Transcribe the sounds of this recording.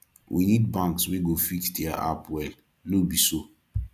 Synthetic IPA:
wʔḭnid̚bãŋksweɡofikdɛaʔa̰pwɛl | nobiso

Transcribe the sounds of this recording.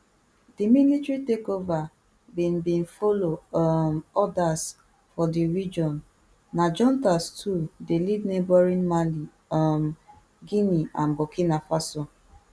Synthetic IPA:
dimilitɾitekova | bin̩bĩn̩folomɔdas | fɔdiɾid͡ʒɔnː | ad͡ʒɔ̃ntastʰudelidnebɔɾĩnmali | m | ɡiniʔanbokinafaso

